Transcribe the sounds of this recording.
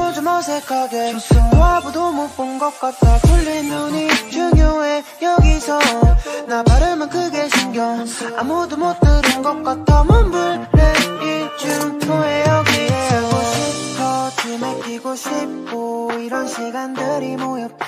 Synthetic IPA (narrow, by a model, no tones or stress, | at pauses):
mod͡ʑomʌsʰekʰaɡemoabudomop͈ɯnɡʌk̚k͈at̚t͈ʰapʰuɭːinːuɲit͡ɕuŋjoejʌɡisʰʌnapaɾɯmɯnkɯɡeɕʰinɡjʌamod̪umot̪͈ɯɾɯnɡʌk͈at̚ʰamonbuɭneit͡ɕuŋsʰoejʌɡiʌɕʰitʰʌt͡ɕemek͈iɡoɕʰip̚k͈oiɾʌnɕʰiɡandɯɾimojʌ